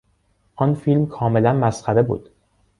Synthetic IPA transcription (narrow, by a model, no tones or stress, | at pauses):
ʔɒnfilmkʰɒːme̞lænmæsxæɾe̞bṵːd̪̥